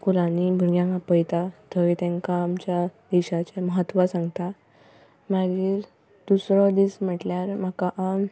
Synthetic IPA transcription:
kulanibʱuɾɡjãŋkapəjt̪at̪ʰəʋit̪ẽŋkaːmt͡ɕjad̪eɕat͡ɕeməɦət̪ːʋasãŋɡt̪a | maɡiːɾ | d̪̥usɾɔd̪iːsm̤əʈljaɾm̤akaʔam

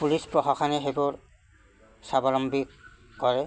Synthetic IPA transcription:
pulispɹɔxakʰanɛɦebɔɹ | sabɔlɔmbi | kɔɹɛ

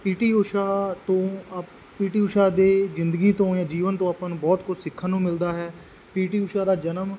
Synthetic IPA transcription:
piːʈiːʊʃaːt̪õː | piːʈiːʊʃaːd̪eːzɪ̃nd̪əɡiːt̪õːjãːd͡ʒiːʋənt̪õːapanbɔːt̪kʊt͡ʃsɪkʰːənːũːmɪld̪aːɦɛː | piːʈiːʊːʃaːd̪aːd͡ʒənəm

